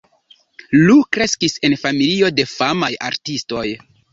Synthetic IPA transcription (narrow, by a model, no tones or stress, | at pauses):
lukɾe̞skise̞nfamilio̞de̞famaja̰ɾtisto̞j